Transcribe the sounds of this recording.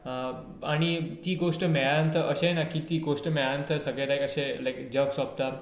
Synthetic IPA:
aɽ̃it̪iːɡoʂʈəmɛjant̪ʰəʔəɕẽnakʰit̪iːɡoʂʈəmajant̪ʰəsəɡɭeɾajkəɕẽlajkd͡ʑəɡsɔb̚t̪a

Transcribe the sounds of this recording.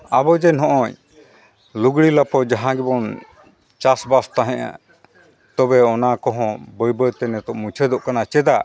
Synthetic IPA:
abɔd͡ʒɛnɦɔ̃ʔɔ̃ɲ | luɡɽilapɔd͡ʒaɦãɡɛbɔn | t͡ʃasbast̪aɦɛ̃ʔa̰ | t̪ɔbɛɔnakɔɦɔ̃bəjbəjt̪ɛnɛt̪ɔʔmũt͡ʃʰɛd̪ɔʔkanat͡ʃɛd̪a

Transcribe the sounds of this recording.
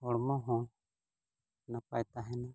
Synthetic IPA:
ɔɽmɔɦɔ̃ | napajt̪aɦɛna

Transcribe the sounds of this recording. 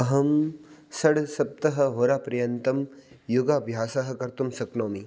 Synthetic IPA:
ɐɦɐmsɐɽsɐp̚t̪ɐɦɐ̆ɦoːɾaːpɾɐjɐnt̪ɐm | juɡaːbʱjaːsaɦɐ̆kɐɾt̪umsɐknoːmi

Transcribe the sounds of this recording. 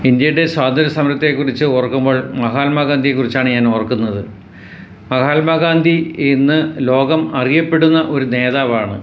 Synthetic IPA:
ind̪jɐjuɽe̞swaːdd̪ɐɾɐsɐmɾɐt̪ːekːurit͡ɕːɨurɐkːumbo̞ːɭmɐɦaːlmaɡaːnd̪ʱijekːurit͡ɕːaːɳɨɲaːnurɐkːunːɐðɨ | mɐɣaːlmaɡaːnd̪ʱiinːɨlo̞ːɡɐmɐrijɐpːe̞ɽunːɐʔo̞ɾune̞ːðaːʋaːɳɨ

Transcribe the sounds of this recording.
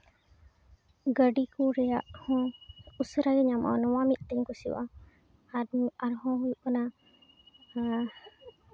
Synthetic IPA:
ɡəɖikuɾɛjaʔhɔ̃usɾajɲamʔa̰nɔwamiʔ̪̚ˀt̪ɛɲkusiwa̰ | aɾɦɔ̃ɦujuʔɔna

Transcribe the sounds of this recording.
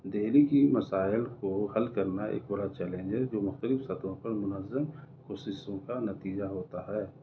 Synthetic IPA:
d̪eɦlikimɐsaːɪlkohɐlkɐɾnaʔḛːkbɐɾat͡ʃɛːlẽːɲd͡ʒəɾd͡ʒoːmʊxt̪əlɪfsɐt̪õpɐɾmʊnəzːəmkoːsɪsõkanɐt̪iːd͡ʒaɦoːt̪aɦɛː

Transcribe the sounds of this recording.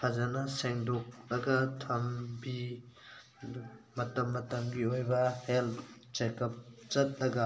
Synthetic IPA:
pʰɐzɐnɐseŋdok̚lɐɡɐtʰɐmbi | mɐtɐmːɐtɐmɡiojbɐheltt͡ʃekɐp̚zɐt̚lɐɡɐ

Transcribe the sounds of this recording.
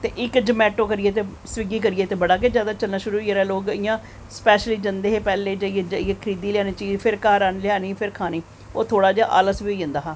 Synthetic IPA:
t̪eːʔɪkd͡ʒəmɛːʈoːkəɾɪjeːt̪eːsʋɪɡiːkəɾɪjeːt̪eːbəɽaːked͡ʒjaːd̪aːt͡ʃəlnaːʃʊɾuːeːɾɛːloːkɪjãː | spɛːʃliːd͡ʒənd̪eːɦeːpɛːleːd͡ʒəieːd͡ʒəiːeːkʰəɾiːd̪iːlɪjaːniːt͡ʃiːzpʰɪɾkaːɾaːnlɪaːniːpʰɪɾkʰaːniː | o̰ːt̪ʰoːɽaːd͡ʒaːʔa̰ːləsʋiːiːə̃nd̪aːɦaː

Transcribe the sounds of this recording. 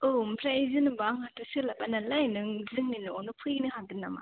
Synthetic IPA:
ɯmpʰɾajzɯnɯbaŋhatɯsɯlapanalajnɯŋzɯŋninɯɔnɯpʰɯjnɯɦaŋdɯnːama̰

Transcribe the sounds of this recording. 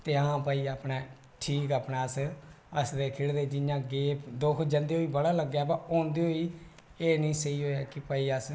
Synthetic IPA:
t̪eːãːpəiːaːpnɛː | ʈʰiːkaːpnaːəs | əsd̪eːkʰɪɽd̪eːd͡ʒɪjãːɡeːpd̪oːkʰd͡ʒənd̪eːɦoːiːbəɽaːləɡːjaːbaːɔ̃ːnd̪eːɦoːiː | eːnĩːsəiːɦoːjaːkɪpəːiːəs

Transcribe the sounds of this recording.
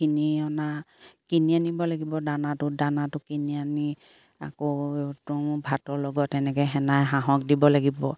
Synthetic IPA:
kiniɔnakinianibɔlaɡibɔdanatʊdanatʊkiniani | a̰kotʊmʊbʱatɔlɔɡɔtːɛnɛkɛjɦɛnajɦãɦɔk̚dibɔlaɡibɔ̰

